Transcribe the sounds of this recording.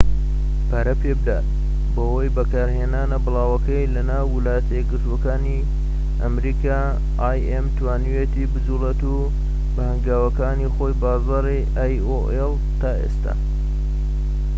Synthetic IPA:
pʰaːɾɐpebɨd̪a̰ːt̪̚ | bɐwojbɐkaːɾheːnaːnɐbɨlˠɑːwɐkɐjlɐnaːwːɪlaːjɐt̪ʰɐjɛɡɨɾt̪uokaːni | ʔɐ̰mɾika | ajemt̪ʰwaːnijet̪iːbɨzuːlet̪u | bɐhɐŋɡaːwɐkaːnixo̞jbaːzaːɾiʔajoʔel | t̪aːʔḛst̪a̰ː

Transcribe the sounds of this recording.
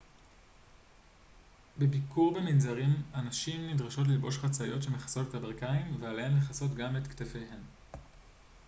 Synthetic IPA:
bebikuʁbeminzaʁimanaʃimːidʁaʃo̞t̬lilbo̞ʃχat͡sajo̞tʃe̞meχḁso̞te̞tabeʁkaimvealhemleχaso̞tɡametktefe̞jɦe̞m

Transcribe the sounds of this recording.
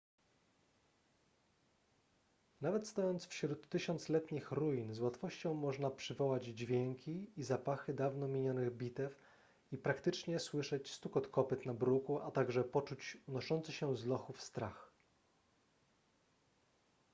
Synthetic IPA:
navɛt̪st̪ɔjɔnt̪sfɕɾut̪ːɘɕɔnt̪slɛt̪ɲixɾujinzwat̪fɔɕt͡ɕɔ̃w̃mɔʐnapʂɘvɔwad͡ʑd͡ʑvʲjɛŋkʲiizapaxɘd̪avnɔmʲiɲɔnɘɣbʲit̪ɛf | ipɾakt̪ɘt͡ʂɲɛswɘʂɛt͡ɕst̪ukɔt̪kɔpɘt̪nabɾukuat̪aɡʐɛpɔt͡ʂut͡ɕunɔʂɔnt̪sɘxɕɛzlɔxufst̪ɾa̰x

